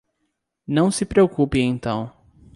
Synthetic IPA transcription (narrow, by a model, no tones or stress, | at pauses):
nɐ̃w̃sɪpɾeokupɪẽnt̪ɐ̃w̃